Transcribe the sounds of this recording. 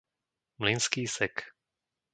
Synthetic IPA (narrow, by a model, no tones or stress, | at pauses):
mlinskiːsɛk